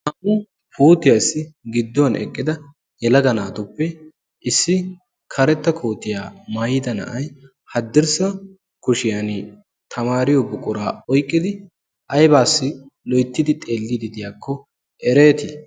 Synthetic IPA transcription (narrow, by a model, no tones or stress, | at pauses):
hɐmʊ | puːt̪ːɪjasːɪɡɪd̪ːɔwɐnɛ̰kʼːɪd̪ɐ | jɛlɐɡɐnaːt̪ʊpːɛ | ʔɪsːɪ | kʰɐɾɛt̪ːɐkʰoːt̪ɪjaːmajɪd̪ɐnɐ̰ʔɐj | hɐd̪ːɪɾsɐ | kʊʃɪjan | t̪ʰɐmaːɾɪjɔbʊkʼʊɾaːɔjkʼːɪd̪ɪ | ʔɐjbaːsːɪlɔjt̪ːɪd̪ɪt̪ʼe̞ːlːɪd̪ɪd̪ɪjaːkʰːɔ | ʔɛɾeːt̪ɪ